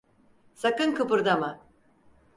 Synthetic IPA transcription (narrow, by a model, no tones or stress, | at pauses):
sakɯnkʰɯpɯɾd̪ama